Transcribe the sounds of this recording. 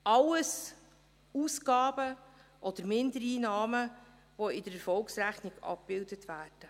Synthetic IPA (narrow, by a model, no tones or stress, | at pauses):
ʔɑləs | uːsɡɑːbəʔɔd̪̥əɾmɪndəɾiːnɑːmə | voɪdəɾɛɾfɔlksɾæχniɡ̥ɑ̰p̚b̥ɪldətvæːrd̥ə